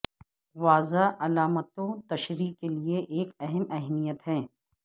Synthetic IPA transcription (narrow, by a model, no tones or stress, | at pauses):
ʋaːzaʔɐlaːmət̪õt̪ɐʃɾiːkːelieʔeːkɛɦɛmɛɦmijət̪ɦɛ̃ː